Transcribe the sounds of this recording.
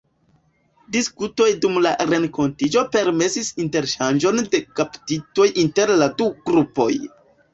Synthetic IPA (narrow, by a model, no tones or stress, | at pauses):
diskuto̞jdumlaɾe̞ŋko̞ntid͡ʒo̞pe̞ɾme̞sisinte̞ɾʃand͡ʒo̞nde̞kaptito̞jʔinte̞ɾladuɡ̥ɾupo̞̰j